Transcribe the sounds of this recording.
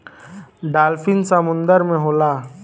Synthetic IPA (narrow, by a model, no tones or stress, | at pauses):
ɖaːlfɪnsəmʊ̃nd̪əɾmẽɦoːlaː